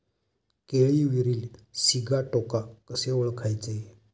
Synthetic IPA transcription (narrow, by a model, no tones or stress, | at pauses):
keɭiʋiɾiːlsiɡʱaʈɔkakəseʋəɭkʰajt͡se